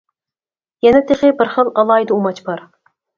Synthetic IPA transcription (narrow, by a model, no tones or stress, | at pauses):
jɛnɛt̪ʰeχɪbɪɾχəlˠɑlˠɑjd̪ɨumɑt͡ʃbɑɾ